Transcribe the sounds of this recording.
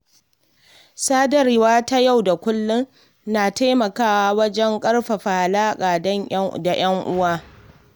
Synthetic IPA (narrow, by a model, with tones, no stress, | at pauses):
saː˦dɐ˨rɪ˦waː˦ta˦ja˦˨wda˨kʷʊ˦lːʊ˦n | naː˨ta˦mɐ˨kaː˦waː˦wɐ˦d͡ʒɛ˦ŋkʼɐ˦rɸa˨ɸa˨ha˨laː˦kʼaː˨dɐ˦ɲ˦da˨j̰ɐ˦ŋʔʊ˦waː˦